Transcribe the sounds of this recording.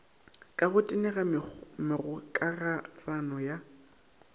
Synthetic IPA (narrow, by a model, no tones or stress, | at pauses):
kʼaɣʊtʼɪnɛɣamɪɣʊkʼaɣaranɔja